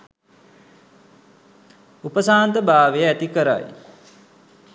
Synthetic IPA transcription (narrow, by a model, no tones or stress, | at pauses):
upəsaːnt̪əbʱaːʋeəæt̪ikəɾa̰j